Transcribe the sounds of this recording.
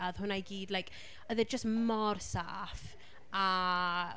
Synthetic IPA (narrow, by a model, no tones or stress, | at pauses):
aðhʊnajɡiːdlˠajk | ɔðɛd͡ʒəstmɔrsa̰ːf | a